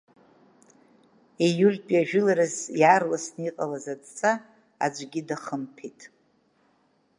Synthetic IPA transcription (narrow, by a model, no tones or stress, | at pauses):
ejulʲpʼjaʒᶣʏlaɾɨzjarlasniqʼalazad͡zt͡sʼa | a̰d͡ʒʷɡʲidaχəmpʰitʼ